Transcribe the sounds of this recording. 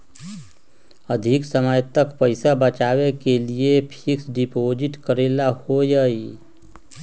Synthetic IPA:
əd̪ʱɪksəməjt̪əkpəɪsabət͡ʃaːwekeliepʰɪksɖɪpoːd͡ʒɪʈkəɾeːlahojai

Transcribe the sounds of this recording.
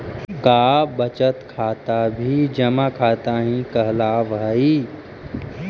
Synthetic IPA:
kaːbət͡ʃət̪kʰaːt̪abʱid͡ʒəmakʰaːt̪aɦĩkəɦlaːʋɦəi

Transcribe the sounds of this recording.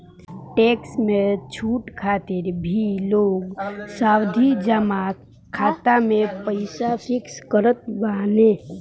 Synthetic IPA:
ʈeːksmẽt͡ʃʰuːʈkʰaːt̪ɪɾbʱiloːɡsaːwd̪ʱid͡ʒəma | kʰaːt̪amẽpəɪsapʰɪkskəɾət̪̚baːnẽ

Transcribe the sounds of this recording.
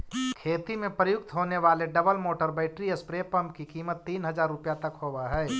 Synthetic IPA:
kʰeːt̪imẽpɾəjʊk̚t̪ɦoːneʋaːleɖɐbəlmoːʈəɾbɛːɪʈɾiəspɾeːpəmpkikiːmət̪ːiːnɦɐzaːɾːʊpjat̪ɐkhoʋaɦɛː

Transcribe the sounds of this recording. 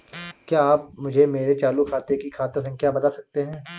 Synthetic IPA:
kjaːp̚mʊd͡ʒʱemeːɾet͡ʃaːlukʰaːt̪ekikʰaːt̪əɾsɐ̃ŋkʰjabɐt̪asɐk̚t̪eɦɛ̃ː

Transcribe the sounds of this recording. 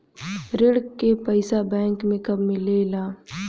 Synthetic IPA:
ɾɪɽkepɐɪsabɛ̃ːŋkmẽkɐbmɪlelaː

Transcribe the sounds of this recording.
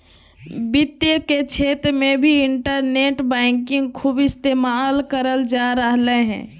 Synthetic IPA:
bɪt̪jəket͡ʃʰeːt̪ɾmẽbʱiɪɳʈəɾneːʈbɛːŋkɪ̃ŋɡkʰuːbɪst̪eːmaːlkəɾəld͡ʒaɾəɦleɦɛ̰̃ː

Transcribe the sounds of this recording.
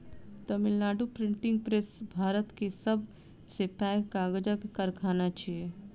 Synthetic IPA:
t̪əmɪlnaːɖupɾɪɳʈɪ̃ŋɡ̚pɾesbʱaːɾət̪kesəb | sepakaːɡəd͡ʒakekəɾkʰaːnat͡ʃie

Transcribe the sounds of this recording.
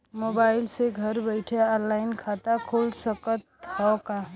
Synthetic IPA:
moːbaːɪlseɡʱəɾbəɪʈʰeɔ̃ːnlaːɪnkʰaːt̪akʰoːlsəkət̪hɔka

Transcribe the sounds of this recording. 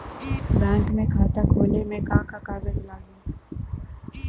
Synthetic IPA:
bɛ̃ːŋkmẽkʰaːt̪akʰoːlemẽkaːkakaːɡəzlaːɡũː

